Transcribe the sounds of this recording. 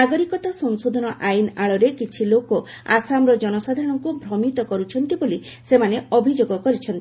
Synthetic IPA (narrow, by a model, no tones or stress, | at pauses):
aɡɔɾikɔt̪asɔŋsod̪ʱɔnɔʔainaɭɔɾekit͡ʃʰiloko | a̰samɾɔd͡ʒɔnɔsad̪ʱaɾɔɽ̃ɔŋkubʱɾɔmit̪ɔkɔɾut͡ʃʰɔnt̪iboli | semaneɔbʱid͡ʒoɡɔkɔɾit͡ʃʰɔnt̪ii